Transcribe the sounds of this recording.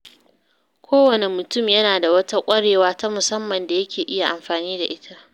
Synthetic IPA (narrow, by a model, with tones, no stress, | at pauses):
kʷʰoː˦wɐ˨ne˨mʊ˨tʊ˦˨mjɐ˦naː˨da˨wɐ˦ta˦kʷʼɐ˦ɽeː˨waː˦ta˦mʊ˨sɐ˦mːɐ˨nda˨jɐ˦kʲeː˨ʔɪ˦ja˨ʔa˨mɸaː˨niː˦da˨ʔɪ˦tʰa˦ʔ